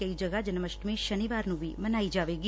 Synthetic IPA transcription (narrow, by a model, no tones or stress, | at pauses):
kəid͡ʒəɡad͡ʒənməʃʈmẽʃəniʋaːɾnũbʱimənaːid͡ʒaːʋeːɡi